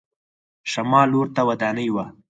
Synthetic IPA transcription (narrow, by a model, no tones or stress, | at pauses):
ʃamɑloɾt̪awad̪ɑːnəjwa